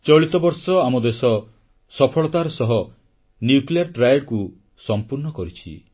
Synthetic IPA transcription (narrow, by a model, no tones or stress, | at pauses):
t͡ʃɔɭit̪ɔbɔɾsɔamɔd̪esɔ | sɔpʰɔɭɔt̪aɾɔsɔɦɔ | njukliaɾʈɾajaɽku | sɔmpuɾnɔkɔɾit͡ʃʰḭ